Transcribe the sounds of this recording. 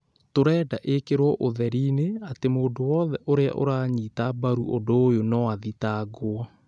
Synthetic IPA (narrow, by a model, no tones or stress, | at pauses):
toɾɛːdaʔekeɾwɔʔoðɛɾineatemoːndowɔðɛʔoɾea̰ʔo̰ɾaːɲitabaɾuʔodoːjonɔaðitaɡoa